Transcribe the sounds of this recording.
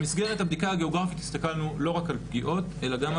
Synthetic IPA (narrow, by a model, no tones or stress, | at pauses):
misɡeʁet̪habd̪ikahaɡe̞o̞ɡʁafit̪ist̪akalnulo̞ʁakalpɡiʔo̞t̪e̞laɡam